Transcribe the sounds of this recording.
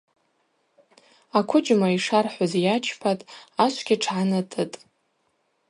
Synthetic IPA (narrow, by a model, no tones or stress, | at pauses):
akʷʰʊd͡ʒmaiʂarħʷazjat͡ʃʰpʰatʼaʃʷʰɡʲiʈ͡ʂʰʕanɨtʰʼɨtʼ